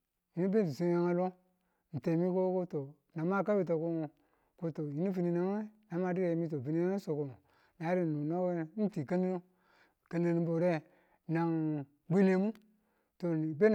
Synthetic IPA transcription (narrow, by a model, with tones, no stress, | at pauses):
ji˨ni˦be˦n˨i˨su˦ja˦ŋa˦lo˦ | n̩˨te˨mi˦ko˦ko˦to˨ | na˨ma˦˨ka˦bi˨t̬o˨ko˦mo˨ | ko˦to˨ji˨˦ni˦fi˨ni˨na˨ŋe˦na˨ma˦di˦ɾe˨mi˦t̬o˨vi˨ni˦a˦ŋe˦so˨ko˨mo˨ | na˨˦ɾi˦˨nu˨no˦we˦n̩˦ti˨ka˦mi˦o˦ | ka˨ne˨ni˦bo˨ɾe˦ | na˨ŋ | ɡ͡be˦ne˦mu˦ | to˨be˦n